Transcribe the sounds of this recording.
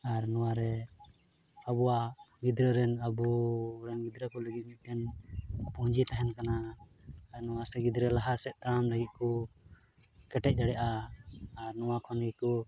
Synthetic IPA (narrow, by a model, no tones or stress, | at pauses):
aɾnɔwaɾɛ | abuwaɡid̪ɾəɾɛnabuɾɛnɡid̪ɾəkɔləɡit̪̚mit̪̚ˀdɛnpuɲd͡ʒit̪aɦɛnkanaː | ɾnɔwasɛɡid̪ɾəlaɦasɛʔt̪ɾamləɡit̪̚kɔ | kɛʈɛc̚ˀd͡ʒ̪aɽɛʔaː | ɾnɔwakʰɔnɡikɔ